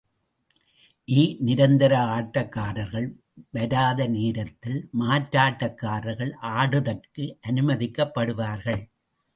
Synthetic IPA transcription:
ʔiːnɪɾɐnd̪ɐɾɐaːʈːɐkːaːɾɐɾɣɐɭ | ʋɐɾaːðɐniːɾɐt̪ːɪlmaːʈɾaːʈːɐkːaːɾɐɾɣɐɭʔaːɽɯðɐrkɯʔɐnɯmɐðɪkːɐpːɐɽɯʋaːɾɣɐɭ

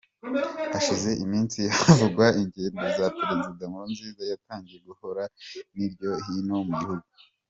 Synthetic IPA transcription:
aʃize̞ʔimiːnsiavuɡwaiɲɟe̞ːndozapeɾezidamuɾunziːzajataːɲɟijeɡuho̞ɾaniɾɟo̞ɦino̞muɡihuɡu

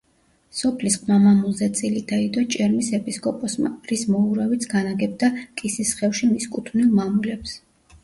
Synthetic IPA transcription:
sɔpʰlisqʰʼmamamulˠzɛt̪sʼilid̪̥aid̪ɔt͡ʃʼɛɾmisɛpʼiskʼɔpʼɔsma̰ɾismɔuɾavit̪sʰɡanaɡɛb̚d̪akʼisisχɛfʃimiskʼut̪ʰvnilˠmamulɛps

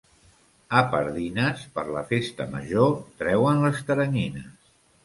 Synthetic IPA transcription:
əpəɾðinəspəɾləfest̪ə̰mə̰ʒot̪ɾɛwənləst̪əɾəɲinəs

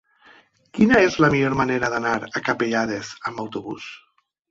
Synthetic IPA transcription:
kinaezlamiʎoɾmaneɾaðanaɾakapeʎað̞ezambawt̪oβṵs

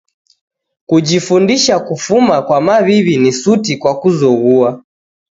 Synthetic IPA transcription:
kud͡ʒifundiʃakufumakwamaβiβinisutikwakuzɔɣua

